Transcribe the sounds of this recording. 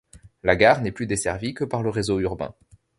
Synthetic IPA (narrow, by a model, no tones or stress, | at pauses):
laɡaʁnɛplyd̪esɛʁvikəpaʁləʁezoyʁbɛ̰̃